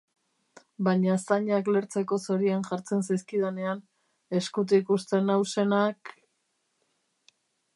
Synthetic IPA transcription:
baɲasaɲakle̞ɾt͡se̞ko̞so̞ɾianʝaɾt͡se̞nsajskiðene̞an | e̞skut̪̬ikust̪e̞nawse̞nak

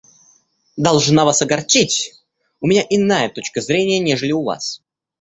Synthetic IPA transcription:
d̪ɐlˠʐnavasɐɡɐrt͡ɕitʲ | ʊmʲɪnʲaʔɪnajət̪o̞t͡ɕkəzɾʲenʲɪjənʲeʐəlʲɪʊva̰s

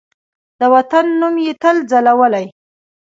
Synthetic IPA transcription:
d̪̥əwat̪anːumjet̪əld͡zalawəlaj

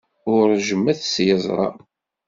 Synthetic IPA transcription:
ʊɾʒəmːæθsjəzˤɾˤɑ̰

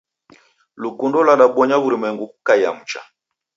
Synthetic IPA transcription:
lukundɔlaɗaɓɔɲaβuɾimɛŋɡukaja̰mut͡ʃa̰

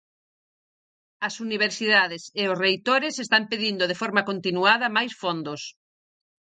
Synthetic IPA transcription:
ɐsuniβ̞eɾsiðaðɪseʊsrejt̪oɾɪsest̪ampeðind̪oð̞efoɾmɐkont̪inuaðɐmajsfond̪ʊs

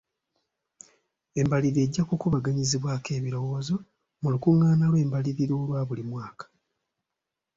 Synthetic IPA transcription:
e̞mbaliɾe̞ɟːakoːkuβaɡaɲiziβwaːke̞ːβiɾo̞woːzo̞ | mulukuŋːaːnalwe̞ːmbaliɾiɾo̞ːlwaːβulimwaːkḁ

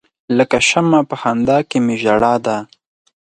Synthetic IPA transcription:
ləkaʃamapəhand̪ɑkemeʒaɽɑd̪a

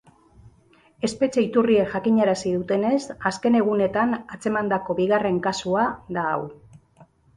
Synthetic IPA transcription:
e̞spe̞t͡ʃe̞it̪urieʝakiɲaɾasið̞ut̪e̞ne̞saske̞ne̞ɣ̞une̞t̪anat͡se̞mand̪ako̞βiɣare̞ŋkasuaða̰ːw

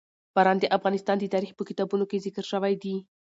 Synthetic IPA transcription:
b̥aɾɑnd̪əʔafɣɑnɪst̪ɑnd̪ət̪ɑɾixpəkɪt̪ɑbunokezɪkəɾʃəwajd̪i

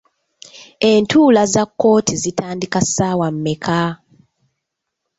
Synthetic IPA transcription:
e̞ntʰuːlazakːo̞ːtʰizitʰaːndikasaːwamːekʰa

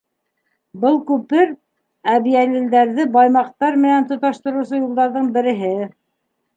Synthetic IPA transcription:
bɤlˠkʉpɘɾ | æβiælild̪æɾðɘbɑjmɑq̚t̪ɑɾmɘ̆nænt̪ŏt̪ɑʃt̪ŏɾɤ̆wsɤjulˠd̪ɑɾðɤɴbɘ̆ɾɘ̆ɦɘ

